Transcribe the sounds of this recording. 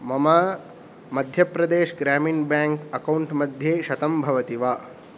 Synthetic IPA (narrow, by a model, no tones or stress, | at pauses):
mɐmaː | mɐd̪ʱjɐpɾɐd̪eːʃɡɾaːminbaːŋkɐkɐwɳʈmɐd̪ʱjeːʃɐt̪ɐmbʱɐʋɐt̪iʋaː